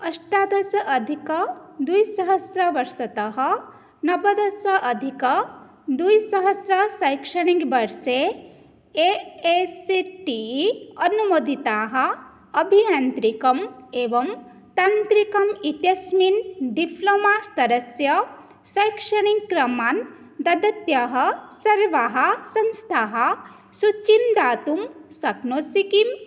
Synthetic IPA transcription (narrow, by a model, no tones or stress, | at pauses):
ɐʂʈaːd̪ʱɐsɐʔɐd̪ʱikɐd̪ujsɐɦɐsɾɐʋɐɾsɐt̪ɐɦɐ | nɐbɐd̪ʱɐsɐʔɐd̪ʱikɐ | d̪ujsɐɦɐsɾɐsɐjkʂɐɳiŋɡbɐɾseː | eesiʈiɐnumod̪ʱit̪aːɦɐ̆ | ɐbʱiant̪ɾikɐmeːʋɐm | t̪ɐnt̪ɾikɐmit̪jɐsminɖipʰloːmaːst̪ɐɾɐsjɐ | sɐjkʂɐɳiŋɡkɾɐmaːn | d̪ɐd̪ɐt̪jɐɦɐ̆sɐɾʋaɦɐ̆sɐnst̪ʰaːɦɐ | sut͡ʃːimd̪aːt̪umsɐɡnoːsikim